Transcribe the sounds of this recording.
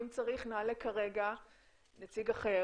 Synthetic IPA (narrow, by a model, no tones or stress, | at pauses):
mt͡saʁiχnalekaʁe̞ɡa | net͡siɡaχe